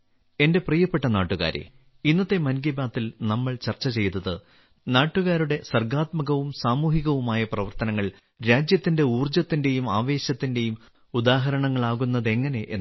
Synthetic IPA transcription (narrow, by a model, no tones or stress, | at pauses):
e̞nde̞prijɐpːe̞ʈːɐnaːʈːuɣa̰ːɾḛ | inːɐt̪ːe̞mɐnɡibaːt̪ːilnɐmːɐɭt͡ɕɐrt͡ɕːɐt͡ɕe̞jt̪ɐðɨ | naːʈːuɣaːɾuɽe̞sɐrɡaːt̪mɐɣɐʋumsaːmuːɦiɣɐʋumaːjɐprɐʋɐrt̪ɐnɐŋːɐɭ | ɾaːd͡ʑjɐt̪ːinde̞uːrd͡ʑɐt̪ːinde̞jumaːʋe̞ːɕɐt̪ːinde̞jum | ud̪aːɦɐɾɐɳɐŋːɐɭaːɣunːɐðe̞ŋːɐne̞ʔːnː